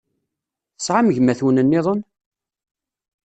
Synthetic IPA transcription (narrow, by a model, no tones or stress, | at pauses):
θəsʕaməʝmæθwnənːɪðˤən